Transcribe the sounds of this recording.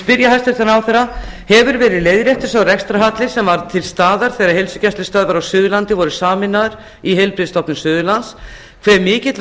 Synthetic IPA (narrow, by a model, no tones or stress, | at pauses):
pɪɾjaɦajst̪ɪɾθanawθɛrːa | hɛvʏɾvɛːɾɪðleːjðɾjɛht̪ɪ̥ɾ̥sawrɛkst̪ɾaɦat̪lɪsɛmvaɾt̪ʰɪlst̪aːðaɾ̥θɛːɾahelsʏcɛst̪ɪ̥st̪aːðvaɾawsʏːðʏlant̪ɪvɔɾʏsaːmɪnːaðɾ̥ | iɦejlpɾɪðst̪ɔpnʏmsʏːðʏlans | kʰv̥ɛɾmɪːcɪt̪l